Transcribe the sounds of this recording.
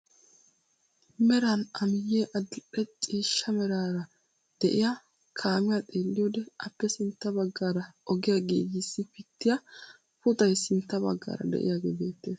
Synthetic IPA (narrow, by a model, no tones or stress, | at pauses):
mɛɾɐnɐmɪjːeːʔɐd̪pɛt͡ʃʼiːʃːɐmɛɾaːɾɐ | d̪̥ɛʔɪja | kʰaːmɪjɐt̪ʼe̞ːlːɪjoːd̪ɛʔɐpːɛsɪnt̪ːɐbɐɡːaːɾɐʔɔɡɪjaɡeːjɪsːɪpɪt̪ːɪjɐ | pʊt̪ʼɐjsɪnt̪ːɐbɐ̰ɡːa̰ːɾɐ̰d̪ɛ̰ʔɪ̰jaːɡḛbeːt̪ːeːs